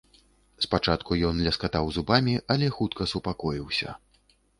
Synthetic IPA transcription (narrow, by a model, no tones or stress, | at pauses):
spat͡ʂat̪kujɔnlʲɐskat̪awzubamʲiʔɐlʲɛxut̪kɐsupakɔjiwsʲɐ̰